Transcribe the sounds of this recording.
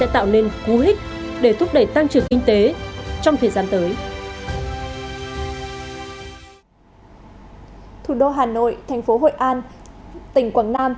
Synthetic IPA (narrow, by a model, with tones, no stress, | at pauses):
a̰ː˧˥t̪a̰ː˧˨wne˧nku˨˦ɦï˦˥k̟̚ | ɗe˧˩t̪ʰʊ˦˥p̚ɗə˧˩jt̪a˧ŋt͡ɕɨ˨˩əŋkï˧ŋ̟t̪e˨˦t͡ɕɔ˧wŋ͡mt̪ʰəː˨˩jzaː˧nt̪əː˨˦j | t̪ʰu˨˩ɗo˧ɦaː˨˩no̰˧˨jt̪ʰa˨˩jŋ̟fo˨˦ɦo̰˧˨jʔaː˧nt̪ï˧˩ŋ̟kwaː˧˩ŋnaː˧m